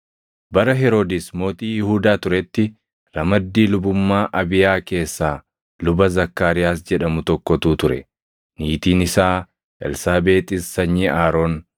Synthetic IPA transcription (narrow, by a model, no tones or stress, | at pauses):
bɐɾɐɦɛɾo̞ːd̪ɪsmo̞ːt̪iːjɪhuːd̪aːt̪ʊɾɛt̪ːɪ | ɾɐmɐd̪ːiːlʊbʊmːaːʔɐbɪjaːke̞ːsːaː | lʊbɐzɐkːaːɾɪjaːsd͡ʒɛᶑɐmʊt̪ɔkːɔt̪uːt̪ʊɾɛ̰ | niːt̪iːnɪsaː | ɛ̰lsaːbe̞ːt̪ʼɪsːɐɲːiːʔaːɾo̞ːn